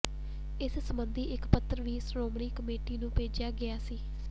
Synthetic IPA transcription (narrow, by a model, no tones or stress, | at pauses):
ɪssəmənd̪iːʔɪkpət̪ːəɾʋiːsɾoːmɳiːkəmeːʈiːnũːpeːd͡ʒɪjaːɡɪjaːsiː